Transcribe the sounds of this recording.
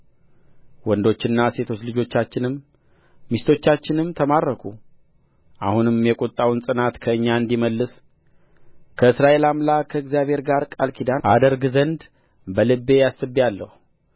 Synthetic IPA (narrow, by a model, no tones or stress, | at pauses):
wɔnd̪o̞t͡ʃːɪnːase̞t̪ʰo̞t͡ʃlɨd͡ʒo̞t͡ʃːat͡ʃːɪnɨmː | ist̪ʰo̞t͡ʃːat͡ʃːɪnɨmt̪ʰəmaɾːəkʰu | ʔa̰hunɨmjɛkʼut̪ʼːawnsʼɨnat̪kʰəɨɲːaɨnd̪iməlːɨs | kʰəɨsɾaʔe̞lamlakʰəɨɡzijaβhe̞ɾɡaɾkʼalkʰid̪aʔad̪əɾɡɨzənd̪ | bəlɨbe̞jasːɨbːijalːəhu